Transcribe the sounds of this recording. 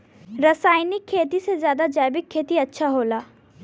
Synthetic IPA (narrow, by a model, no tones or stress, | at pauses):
ɾɐsaːɪnɪkʰːeːt̪isezjaːd̪ad͡ʒaːɪbɪkʰːeːt̪iɐtːʃʰaɦoːlaː